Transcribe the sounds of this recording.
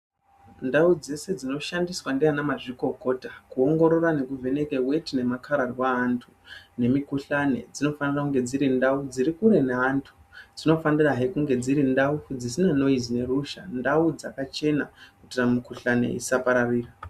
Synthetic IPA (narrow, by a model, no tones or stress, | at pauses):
ndaud͡ze̞se̞d͡zino̞ʃandiswandianamaʐiko̞ko̞takuo̞ŋɡo̞ɾo̞rane̞kuvʱe̞ne̞ke̞we̞tine̞makʰaɾarwaːntʰune̞mikuɬane̞̰d͡zino̞fanirakuŋɡe̞d͡ziɾindaud͡ziɾikuɾe̞neantʰu̥ | d͡zino̞faniraɦekuŋɡe̞d͡ziɾindaud͡zisinano̞izine̞ruʃandaud͡zakat͡ʃe̞nakutiramikuɬane̞̰ḭsapaɾariːra